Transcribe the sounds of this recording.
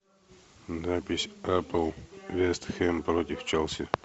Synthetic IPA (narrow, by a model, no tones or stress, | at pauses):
napʲɪsʲapəlˠvʲest̪xʲɛmpɾot̪ʲɪft͡ʃɛlˠsʲɪ